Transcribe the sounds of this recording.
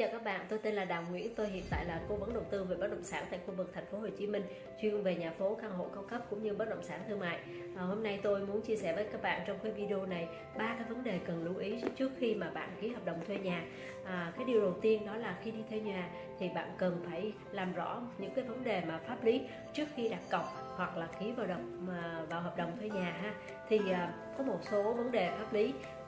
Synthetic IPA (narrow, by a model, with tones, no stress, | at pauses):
ə̰ː˧˨kaː˦˥k̚ɓa̰ː˧˨nt̪o˧jt̪e˧nlaː˨˩ɗaː˨˩wŋwḭ˧˥ənt̪o˧jhḭ˧˨ənt̪a̰ː˧˨jlaː˨˩ko˨˦və˨˦nɗə˨˩wt̪ɨ˧ve˨˩ɓə˦˥t̚ɗə̰˧˨ŋ͡msaː˧˩nt̪a̰ː˧˨jxu˧vɨ˨˩k̚t̪ʰɛ˨˩jŋ̟fo˨˦ɦo˨˩t͡ɕi˨˦mï˧ŋ̟ | t͡ɕwi˧əŋve˨˩ɲaː˨˩fo˨˦kaː˧nɦo̰˧˨jka˧wŋ͡mkə˦˥p̚kʊ̰˧˥ŋ͡mɲɨ˧ɓə˦˥ɗə̰˧˨wŋ͡msaː˧˩nt̪ʰɨ˧ma̰ː˧˨j | ʔəː˨˩ho˧mna˧jt̪o˧jmu˨˦ənt͡ɕi˧əsɛ˧˩vəː˨˦jkaː˦˥k̚ɓa̰ː˧˨nt͡ɕɔ˧wŋ͡mkaː˨˦jvi˧ɗi˧o˧na˨˩j | ɓaː˧kaː˨˦jvə˨˦nɗe˨˩kə˨˩nlu˨˧˦ʔi˨˦t͡ɕɨ˦˥ək̚xi˧maː˨˩ɓa̰ː˧˨nki˨˦ɦə˨˩p̚ɗə˨˩wŋ͡mt̪ʰwe˧ɲaː˨˩ | ʔːkaː˨˦jɗi˨˩əwɗə˨˩wt̪i˧ənɗɔ˨˦laː˨˩xi˧ɗi˧t̪ʰɛ˧ɲwaː˨˩ | t̪ʰi˨˩ɓa̰ː˧˨nkə˨˩nfaː˧˩j | laː˨˩mzɔ̰˧˥ɲɨ̰˧˥ŋkaː˨˦jvə˨˦nɗe˨˩maː˨˩faː˦˥p̚li˨˦ | t͡ɕɨ˦˥ək̚xi˧ɗaː˨˩p̚kə˨˩wk͡p̚ | hwa˨˩k̚laː˨˩ki˨˦vaː˨˩ɗə˨˩wk͡p̚ːvaː˨˩wɦaː˨˩p̚ɗə̰˨˩wŋ͡mt̪ʰwe˧ɲaː˨˩ɦaː˧ | t̪ʰi˨˩ʔː | kɔ˨˦mo˨˩t̚so˨˦və˨˦nɗe˨˩faː˦˥p̚li˨˦